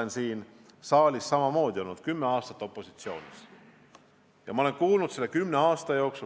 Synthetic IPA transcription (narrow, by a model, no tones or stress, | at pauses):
ensiːn | sɑːlʲisːɑmɑmo̞ːd̪̥ʲio̞lnud̪̥kymːeɑːst̪ɑt̪ːˑo̞pːˑosi̥t̪sio̞̰ːnʲis | jɑmɑo̞leŋkuːlnud̪selːekymne̞ɑːst̪ɑjo̞ksu